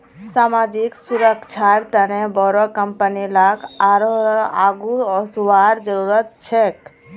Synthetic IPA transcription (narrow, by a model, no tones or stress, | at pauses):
saːmaːd͡ʒiksuɾəkt͡ʃʰaɾt̪ənebɔɾokəmpənilakaɾoaːɡuɔsuʋaɾd͡ʒəɾuɾət̪̚t͡ʃʰek